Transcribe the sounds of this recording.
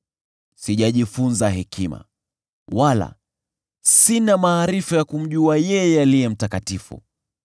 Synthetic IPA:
siʄaʄifunzaɦɛkʰima̰ | wala̰ | sinamaːɾifujakum̩ʄuajɛjɛalijɛm̩takatifṵ

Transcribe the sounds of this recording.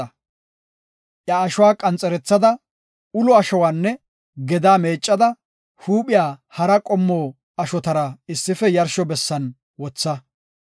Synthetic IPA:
ɐ | ʔjɐːʃʊwaːkʼɐnt͡sʼɛɾɛt͡sːɐd̪ɐ | ʊlɔɐʃɔwaːnːɛ | ɡɛd̪aːmeːt͡ʃʼːɐd̪ɐ | huːpʼɪjaːhɐɾɐkʼɔmːoː | ɐʃɔt̪ɐɾɐɪsːɪfɛjɐɾʃɔbɛsːɐn | wɔt͡sːɐ

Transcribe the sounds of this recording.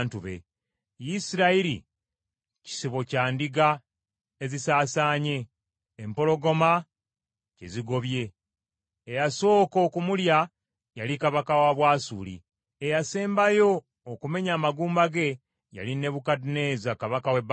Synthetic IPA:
ntuβḛ | jisiɾaiɾḭ | ci̥siβo̞caːndiɡa | ezisaːsaːɲe̞ː | mpo̞lo̞ɡo̞ma | cḛziɡo̞βje̞ː | jaso̞ːko̞ːkumulja | jalikaβakawaβwaːsṵːlḭ | ejaseːmbajo̞ː | kume̞ɲaːmaɡuːmbaɡe̞ | ja̰line̞βukadune̞ːzakaβakaweb

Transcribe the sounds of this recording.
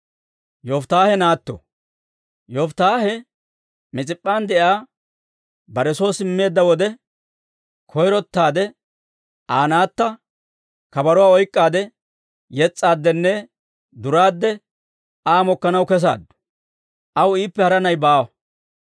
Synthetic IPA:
jɔft̪aːhɛnaːt̪ːɔ̰ | jɔft̪aːɦɛ | mɪt͡sʼɪpʼːaːnd̪ɛʔjaː | bɐɾɛsoːsɪmːe̞ːd̪ːɐwɔd̪ɛ | kʰɔjɾɔt̪ːaːd̪ɛ | ʔaːnaːt̪ːɐ | kɐbɐɾɔwaːɔjkʼːaːd̪ɛ | jɛt͡sʼːaːd̪ːɛnːɛ | d̪ʊɾaːd̪ːɛ | aːmɔkːɐnɐwkɛs̬a̰ːd̪ːʊ̥ | ʔɐwiːpːɛhɐɾɐnɐjbaːwɐ

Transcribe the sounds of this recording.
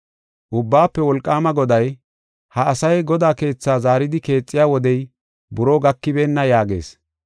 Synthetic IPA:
ʔʊbːaːpːɛwɔlkʼːaːmɐɡɔd̪ɐj | hɐɐsɐjɡɔd̪aːke̞ːt͡sːaːzaːɾɪd̪ɪke̞ːt͡sʼːɪjaːwɔd̪ɛj | bʊɾoːɡɐkːɪbeːnːɐjaːɡḛːs

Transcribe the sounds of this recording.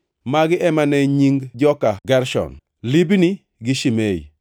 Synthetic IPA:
maɡɪʔɛmanɛɲiŋɡd͡ʒɔkaɡɛɾʃɔ̰n | libni | ɡɪʃimeḭ

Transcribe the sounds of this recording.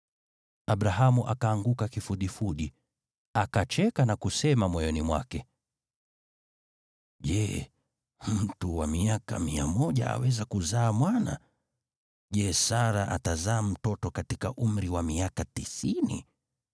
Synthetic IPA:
aɓɾaɦamuʔakaːŋɡukakifuɗifuɗi | akat͡ʃɛkanakusɛmamwɔjɔnimwa̰kɛ | ʄɛ̰ | m̩tuwamiaka̰miamɔʄa̰a̰wɛzakuzaːmwana̰ | ʄɛsaɾaʔatazaːm̩tɔtɔkatikaʔum̩ɾiwamiakatisinḭ

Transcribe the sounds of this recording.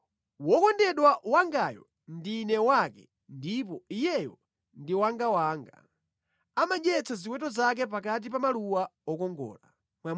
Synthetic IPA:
wɔkɔndɛɗwawaŋɡajɔ̰ | ndinɛwakɛ | ndip̬ɔijɛjɔ | ndiwaŋɡawaːŋɡa | amaʄɛt͡sʰazikwɛtɔzak̬ɛp̬akat̬ipamaluwaɔkɔŋɡɔ̰ːla | mwam

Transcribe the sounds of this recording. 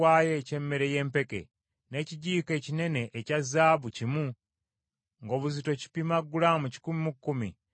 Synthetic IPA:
waːjece̞mːe̞ɾe̞je̞ːmpe̞ke̞̰ | ne̞ːciɟiːke̞ːcine̞ne̞ʔːcazaːβucimu | ŋɡo̞ːβuzito̞ci̥pimaɡːulamuci̥kumimukːumḭ

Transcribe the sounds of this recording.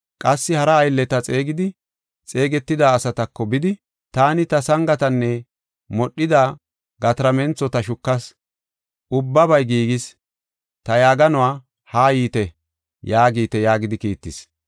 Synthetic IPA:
kʼɐsːɪhɐɾɐːjlːɛt̪ɐt͡sʼeːɡɪd̪ɪ | t͡sʼe̞ːɡɛt̪ːɪd̪aːsɐt̪ɐkːɔbɪd̪ɪ | t̪aːnɪt̪ɐsɐŋɡɐt̪ɐnːɛ | mɔɗːɪd̪aː | ɡɐt̪ɾɐmɛnt͡sːɔt̪ɐʃʊkːɐs | ʔʊbːɐbɐjɡiːɡɪs | t̪ɐjaːɡɐnʊwaː | haːjiːt̪ɛ | jaːɡiːt̪ɛjaːɡɪd̪ɪkiːt̪ːɪs

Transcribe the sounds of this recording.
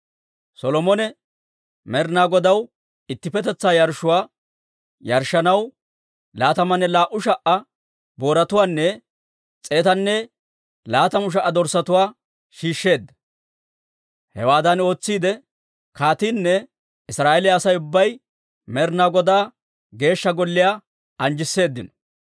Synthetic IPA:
sɔlɔmɔnɛ | mɛɾnaːɡɔd̪ɐw | ɪt̪ːɪpɛt̪ɛt͡sːaːjɐɾʃʊwaː | jɐɾʃːɐnɐw | laːt̪ɐmɐnɛlaːʔʊʃɐʔɐ | bo̞ːɾɐt̪ʊwaːnːɛ | t͡sʼe̞ːt̪ɐnːɛ | laːt̪ɐmʊʃ̬ɐʔːɐd̪ɔɾsɐt̪ʊwaː | ʃiːʃːe̞ːd̪ːɐ̥ | hɛ̰waːd̪ɐno̞ːt͡sːiːd̪ɛ | kaːt̪inːɛ | ɪsɾaːelɪːsɐjʊbːɐj | mɛɾnaɡɔd̪aː | ɡe̞ːʃːɐɡɔlːɪjaː | ɐnd͡ʒɪsːe̞ːd̪ːɪnɔ̥

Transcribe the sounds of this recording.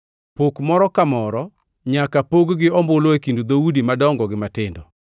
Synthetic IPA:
pokmɔɾɔkamɔɾɔ | ɲakapoɡɡɪɔmbʊloekindud̪audimadɔŋɡɔɡɪmatɪndɔ

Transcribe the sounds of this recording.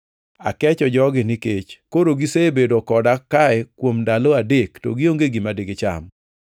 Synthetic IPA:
a̰kɛt͡ʃɔd͡ʒɔɡɪnɪket͡ʃkoɾoɡisebedokɔdakaɛkwomndaloadektɔ̰ɡɪoŋɡeɡimadeɡɪt͡ʃa̰m

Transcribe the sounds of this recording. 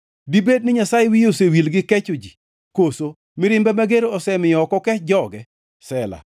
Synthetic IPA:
dibed̚nɪɲasajewijosewilɡɪkɛt͡ʃʊd͡ʒi | koso | mɪɾɪmbɛmaɡeɾoɔsɛmɪjɔkɔkɛd͡ʒɔɡɛ | sɛla̰

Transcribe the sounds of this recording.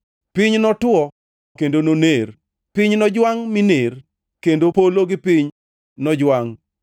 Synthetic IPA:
piɲnɔtwɔ | kendononer | piɲnɔd͡ʒwaŋminer | kendopoloɡɪpiɲ | nɔd͡ʒwaŋ

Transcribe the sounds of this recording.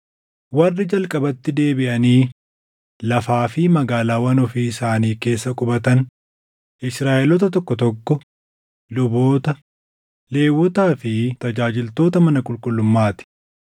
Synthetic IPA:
wɐrːɪd͡ʒɐlkʼɐbɐt̪ːɪd̪e̞ːbɪʔɐniː | lɐfaːfɪmɐɡaːlaːwɐnɔfiːɪsaːniːke̞ːsːɐkʼʊbɐt̪ɐn | ʔɪsɾaːʔɛlɔt̪ɐt̪ɔkːɔt̪ɔkːɔ | lʊbo̞ːt̪ɐ | le̞ːwːɔt̪aːfɪt̪ɐd͡ʒaːd͡ʒɪlt̪o̞ːt̪ɐmɐnɐkʼʊlkʼʊlːʊmːaːt̪ɪ̥

